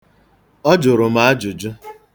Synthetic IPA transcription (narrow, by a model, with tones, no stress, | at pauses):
ɔ˦d͡ʒʊ˨ɾʊ˨ma˦a˦d͡ʒʊ˨d͡ʒʊ˦